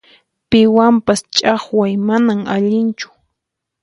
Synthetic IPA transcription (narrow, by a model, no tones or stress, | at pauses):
pɪwampast͡ʃʼaχwajmanamaʎɪnt͡ʃʊ̥